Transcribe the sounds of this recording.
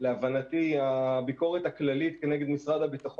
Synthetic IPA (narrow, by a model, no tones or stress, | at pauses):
leavanat̪iabiko̞ʁetaklalit̪ke̞neɡe̞d̪misʁad̪abit̪aχo